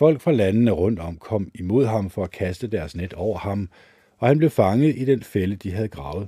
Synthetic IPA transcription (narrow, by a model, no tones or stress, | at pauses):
fɒ̽l̰ɡ̥fʁɑ̈lænənəʁɔ̽n̰d̥ɒ̽m̰kʰɒ̽m̰imo̝ð̞̰ˠɦɑ̈mfɒ̽ækʰæsd̥əd̥æɐsned̥ɒʊ̰ɐhɑ̈m | ɒ̽hænb̥le̝ʊfɑ̈ŋəð̩ˠid̥enfeləd̥iɦæð̞̩ˠɡ̥ʁɑ̈ːʊð̞̩ˠ